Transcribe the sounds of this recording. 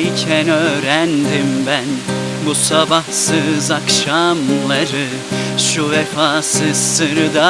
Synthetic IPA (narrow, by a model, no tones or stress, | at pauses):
jcʰɛnøːɾænd̪imbæn | busabɑhsɯzɑkʃamlˠɑɾɯ | ʃuvɛfasɯz̥sɯɾd̪a